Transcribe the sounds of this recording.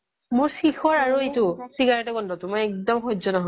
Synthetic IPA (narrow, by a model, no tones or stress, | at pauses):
mʊɹsixɔɹaɹuetʊsiɡaɹɛtɛkɔndɔtumɔjɛk̚dɔmxɔzɔnaɦɔ